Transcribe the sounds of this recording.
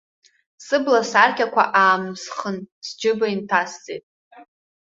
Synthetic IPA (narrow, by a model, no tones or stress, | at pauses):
sɨblasarkʲʼakʷʰa̰ʔaːmsχənsd͡ʒɨbaintʰast͡sʼejtʼ